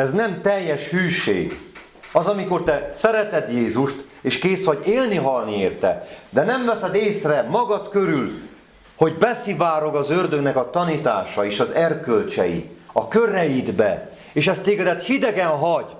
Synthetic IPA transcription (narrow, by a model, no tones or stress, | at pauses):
ɛznɛmt̪ɛjːɛʃhyːʃḛːɡ | ɒzɒmiko̞rt̪ɛsɛɾɛt̪ɛd̪jeːzuʃt̪ | eːʃkeːsho̞ɟeːlniɦɒlnieːrt̪ɛ̰d̪ɛnɛmvɛsɛd̪eːsrɛmɒɡɒt̪kø̞ɾyl | ho̞ɟbɛsivaːɾo̞ɡɒzørd̪øɡnɛkɒt̪ɒnit̪aːʃɒeːʃɒzɛrkø̞lt͡ʃɛ̰jḭɒkøɾɛjid̪bɛ | eːʃɛst̪eːɡɛd̪ɛt̪hid̪ɛɡɛnɦɒɟ